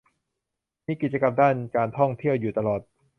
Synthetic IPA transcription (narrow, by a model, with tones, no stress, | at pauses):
miː˦˥ki˨˩t̪̚t͡ɕa˧ka˧mdaː˥˩nkaː˧nt̪ʰɔ˥˩ŋt̪ʰi˥˩əwjuː˨˩t̪a˧lɔː˨˩t̪̚